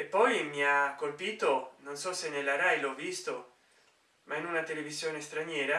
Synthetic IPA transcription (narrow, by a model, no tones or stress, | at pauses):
epːɔjmiakːolpiːt̪ononsɔsenelaɾajlɔvist̪o | mainunat̪elevizjoːnest̪ɾanjɛːɾa